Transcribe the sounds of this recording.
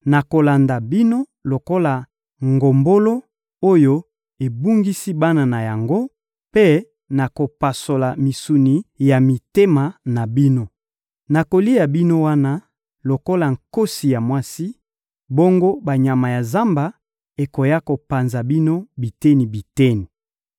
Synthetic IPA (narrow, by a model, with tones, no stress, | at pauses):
na˨ko˨la˨nda˨bi˦no˦ | lo˨ko˦la˨ | ŋɡo˨mbo˦lo˦ | o˦jo˦ | e˨bu˦ŋɡi˦si˦ba˦na˨na˨ja˨ŋɡo˦ | pe˦ | na˨ko˨pa˨so˨la˨mi˨su˨ni˨ja˨mi˨te˦ma˨na˨bi˦no˦ | na˨ko˨li˦a˨bi˦no˦wa˦na˦ | lo˨ko˦la˨ŋ̩˨ko˦si˨ja˨mwa˦si˦ | bo˦ŋɡo˦ba˨ɲa˨ma˨ja˨za˦mba˨ | e˨ko˨ja˦ko˨pa˨nza˨bi˦no˦bi˨te˦ni˨bi˨te˦ni˨